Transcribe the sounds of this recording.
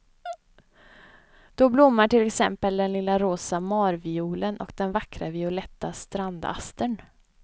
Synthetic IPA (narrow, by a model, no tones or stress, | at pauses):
d̪̥ɔblʊmːaʈɪlːɛksɛ̰mpəld̪ɛnlɪlːaɾoːsamɑːɾvɪuːlənʔɔ̰kd̪ɛnvakɾavɪʊlɛt̪ːast̪ɾand̪a̰st̪əɳ